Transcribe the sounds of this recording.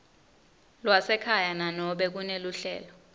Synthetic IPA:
lwasɛkʰajananɔɓɛk̬uneluɬɛ̰ːlɔ

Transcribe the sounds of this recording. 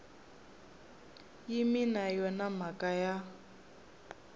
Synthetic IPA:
jiminajɔnamakʼaja

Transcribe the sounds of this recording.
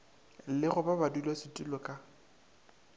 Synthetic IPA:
lɪχʊbabadulwasɪtʼulɔkʼa

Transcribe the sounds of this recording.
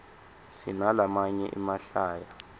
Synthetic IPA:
sinalamaɲɛ̰ʔimaɬaːja

